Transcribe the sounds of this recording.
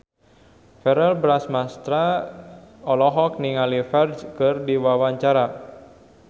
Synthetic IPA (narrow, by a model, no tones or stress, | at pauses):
fɛɾɛlbɾasmast̪ɾa | ɔlɔɦɔk̚niŋalifɛrd͡ʒkɨrdiwawaɲt͡ʃaɾa